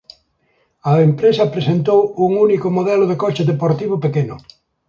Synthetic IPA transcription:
ɐempɾesɐpɾesent̪owuŋunikomoðɛlʊðekɔt͡ʃeðepoɾt̪iβopekenʊ

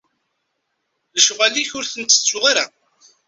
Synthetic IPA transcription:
ðəʃʁæliçʊɾθənt̪ːə̥t͡sːʊʁiɾa

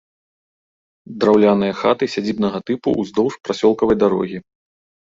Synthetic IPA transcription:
d̪ɾawlʲanɨjɐxat̪ɨsʲad͡zʲibnɐɣɐt̪ɨpṵʔuzd̪ɔwʂpɾasʲɔlˠkɐvɐjd̪aɾɔ̰ɣʲi

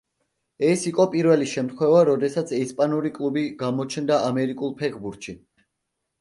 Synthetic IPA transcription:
ɛsiqʼɔpʼiɾvɛliʃɛmt̪χwɛvaɾɔd̪ɛsat̪sʰɛispʼanuɾikʼlˠubiɡamɔt͡ʃʰnd̪aamɛɾikʼulˠpʰɛkʰbuɾt̪ʃi

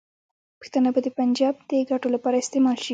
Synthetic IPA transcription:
pə̥xt̪ənabad̪əpand͡ʒɑb̚d̪əɡaʈolapɑɾaɪst̪emɑlʃi

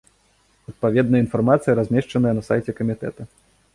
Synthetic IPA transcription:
ɐt̪̚pavʲɛd̪nɐjəinfarmat̪sɨjɐɾazʲmʲɛʂt͡ʂɐnɨjɐnɐsa̰jt͡sʲɛkɐmʲit̪ɛ̰t̪ɐ

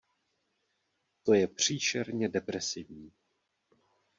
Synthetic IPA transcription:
t̪o̞jɛpr̝̥iːʃɛɾɲɛdɛpɾɛsɪvɲiː

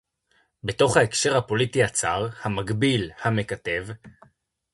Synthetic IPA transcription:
beto̞χhae̞kʃe̞ʁhapo̞litiat͡saʁhamaɡbilhame̞kate̞v

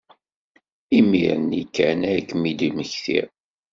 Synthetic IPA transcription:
imḭɾənikːænækːmid̪iməçθḭɾ

